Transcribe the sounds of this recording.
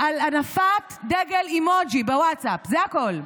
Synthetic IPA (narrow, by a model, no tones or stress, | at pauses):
ʔalanafatd̪eɡelimod͡ʒibewatsapzeakol